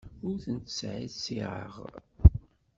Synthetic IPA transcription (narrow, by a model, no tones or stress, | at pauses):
ʊɾθənt̪sʕiðsiʁə̰ʁ